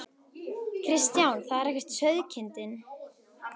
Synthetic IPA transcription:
kʰɾɪst̪jawnθaðɛɾɛhcɪ̥ɾ̥t̪sœɥðcʰɪnt̪ɪn

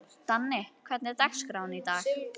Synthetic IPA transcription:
t̪anːɪkʰv̥ɛɾt̪nɪɾt̪akskɾawnit̪aːx

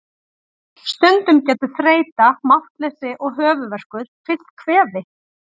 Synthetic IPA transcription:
st̪œnt̪ʏmcɛːt̪ʏ̥θɾeːjt̪amaht̪lɛːsɪʔɔɣɦœːvʏvɛr̥kʏɾ̥fʰɪ̥kʰvɛːðɪ

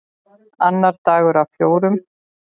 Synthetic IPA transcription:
anːaɾt̪aːɣʏɾawfjoːwɾʏm

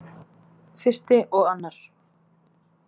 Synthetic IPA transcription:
fɪr̥st̪ɪʔɔɣanːaɾ̥

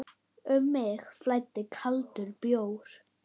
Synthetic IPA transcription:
ʏmːɪxflajt̪ːɪkʰalt̪ʏɾpjoːwɾ̥

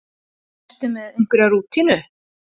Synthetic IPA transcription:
t̪ɪmɛðejŋ̥kʏɾaruːt̪ʰinʏ

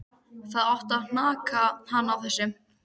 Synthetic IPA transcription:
θaðɔht̪aðn̥aːkahanːawθɛsːɪm

